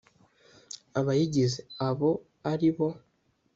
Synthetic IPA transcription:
aβajiɟizeaβo̞ | aɾiβo̞

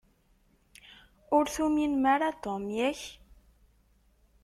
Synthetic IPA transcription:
ʊɾθuminmaɾat̪omjæç

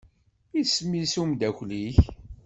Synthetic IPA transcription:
ismisumd̪æçliç

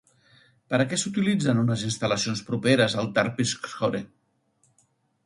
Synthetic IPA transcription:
pəɾəkɛsut̪ilid͡zənunəzinst̪ələsionspɾupeɾəzəlˠt̪aɾpiskxoɾe

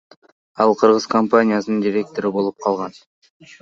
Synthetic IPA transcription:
ɑlˠqʰɯɾʁɯz̥kʰompanʲijasənɯnd̪iɾʲe̞k̚t̪o̞ɾibo̞lˠup̚qʰɑlˠʁɑn

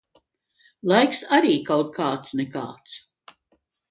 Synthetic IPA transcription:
lˠajksaɾiːkawt̪̚kʰaːt̪snɛka̰ːt̪s

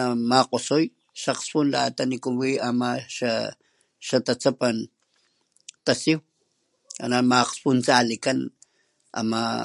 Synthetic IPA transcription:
amaqosoj | ʃaqspunla̰t̪anikuwiamaʃa | ʃat̪at͡sapan | t̪asiw | a̰namaqspunt͡salikan | a̰ma

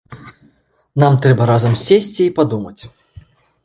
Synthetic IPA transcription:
namt̪ɾɛbɐɾazɐmsʲesʲt͡sʲiːpad̪umɐt͡sʲ

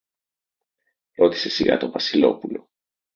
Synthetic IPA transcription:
ɾo̞t̪i̥se̞siɣɐ̰t̪o̞vɐsilo̞̰pulo̞

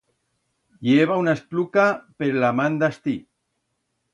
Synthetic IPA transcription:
jeβ̞aunaesplukapeɾlamand̪ast̪i

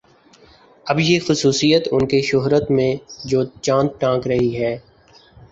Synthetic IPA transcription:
ɐbjexʊsuːsijət̪ʊnkeʃʊɦɾət̪mẽd͡ʒoːt͡ʃãːnd̪̚ʈãːkɾɐɦiɦɛː

